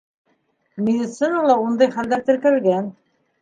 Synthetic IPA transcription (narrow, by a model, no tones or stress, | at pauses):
mʲɪdʲit̪sɨnalˠɑund̪ɑjχæld̪æɾt̪ɘ̆ɾkɘ̆ɾɘ̆lɡæn